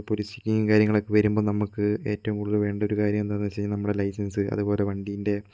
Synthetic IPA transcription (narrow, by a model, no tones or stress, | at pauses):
polisikʲːiŋŋkaːɾjɐŋːɐɭo̞kːɨʋɐɾumbo̞ːnɐmukːɨe̞ːtːɐʋumkuɽuðɨlʋe̞ːɳɖɐo̞ɾukaːɾjɐmend̪anːt͡ɕejɲːɐnɐmːuɽelɐjsɐnsɨɐ̰ðubo̞ːle̞ʋɐɳɖijinde̞